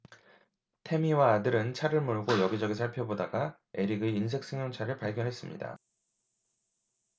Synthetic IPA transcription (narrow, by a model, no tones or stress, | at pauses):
tʰe̞miwaːdɯɾɯnt͡ɕʰaɾɯɭmɯɭɡojʌɡid͡ʑʌɡisʰaɭpʰjʌbodaɡa | e̞ɾiɡɯins̬ʰe̞k̚s͈eŋjoŋt͡ɕʰaɾɯɭpaɭɡjʌnɦes͈ɯmɲḭda̰